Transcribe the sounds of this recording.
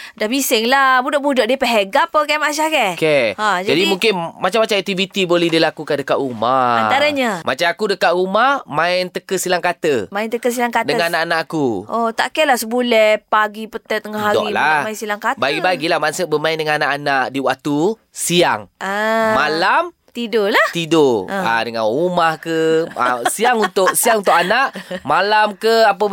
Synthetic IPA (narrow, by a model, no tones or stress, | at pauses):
dabisɪŋlabudɔʔ̚budɔʔ̚diəpəɦeɡapəkɛmaʃ̬ahkɛkehad͡ʒadimuŋkɪnmat͡ʃamːat͡ʃaɛk̚t̪ivit̪ibolɛhdilakukandəkaʔɾumaat̪aɾəɲamʔa̰t͡ʃamakudəkaʔɾumahmãɪnt̪əkəsilaŋkat̪əmaɪnt̪əkəs̬ilaŋkat̪dəŋanaʔanaʔakuʔot̪aʔkɛlasəbulɛhpaɡipət̪ɛt̪ːəŋahɦadɔ̰ʔlamainsilaŋkat̪baɡibaɡilahmansəʔbəmaɪndəŋananaʔanaʔdiwaʔ̚t̪u | siaŋamalam | t̪idolaht̪idoa̰dəŋanrumahkəa̰siaŋunt̪ʊʔsiaŋunt̪ʊʔanaʔmalamkəapə